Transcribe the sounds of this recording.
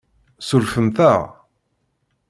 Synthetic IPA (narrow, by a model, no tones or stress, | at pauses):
sulfəmθæ̰ʁ